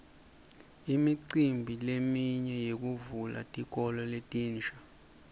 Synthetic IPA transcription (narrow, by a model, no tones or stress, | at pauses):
imiǀimbʱilemiɲɛjek̬uvula̰tʼik̬ʼɔlɔletʼiːnt͡ʃḁ